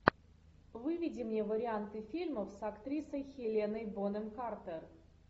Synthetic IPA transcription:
vɨvʲidʲɪmnʲevəɾʲɪant̪ɨfʲilʲməfsakt̪ɾʲisəjxʲelʲenəjbonəmkart̪ər

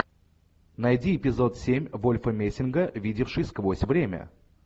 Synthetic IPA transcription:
nɐjdʲiɪpʲɪzo̞t̪sʲemʲvolʲfəmʲesʲɪnɡəvʲidʲɪfʂɨjskvosʲvɾʲemʲə̰

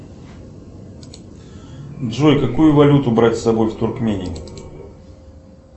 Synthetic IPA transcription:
dʐojkɐkujʊvɐlʲut̪ʊbɾatʲsɐbo̞jft̪ʊrkmʲenʲɪj

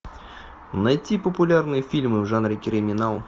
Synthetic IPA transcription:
nɐjtʲipəpʊlʲarnɨjəfʲilʲmɨvʐanɾʲɪkʲɪɾʲɪmʲɪnalˠ

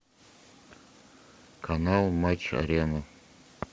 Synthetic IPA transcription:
kʰɐnɑlˠmat͡ɕɐ̰ɾʲenə

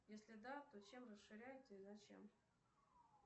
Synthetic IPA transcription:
jesʲlʲɪd̪at̪ot͡ɕemrəsʂɨɾʲæjɪtʲɪzɐt͡ɕḛm

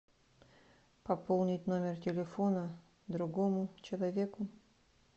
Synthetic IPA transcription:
pɐpolˠnʲɪtʲnomʲɪrtʲɪlʲɪfonə | d̪ɾʊɡomʊt͡ɕɪlˠɐvʲekʊ

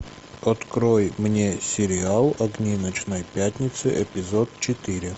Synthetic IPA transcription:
ɐt̪kɾojmnʲesʲɪɾʲɪalˠɐɡnʲinət͡ɕnəjpʲat̪ʲnʲɪt̪sɨʔɛpʲɪzot̪̚t͡ɕɪt̪ɨɾʲɪ

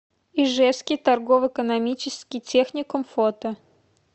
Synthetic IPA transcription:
iʐɛskʲɪjt̪ɐrɡovəɪkənɐmʲit͡ɕɪskʲɪtʲexnʲɪkʊmfot̪ə

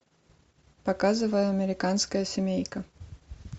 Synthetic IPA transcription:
pɐkazɨvəjəɐmʲɪɾʲɪkanskəjəsʲɪmʲejkə

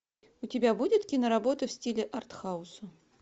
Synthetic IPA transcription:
ʊtʲɪbʲabudʲɪt̪kʲinəɾɐbo̞t̪əfsʲtʲilʲɪʔɐrt̪xaʊsʊ

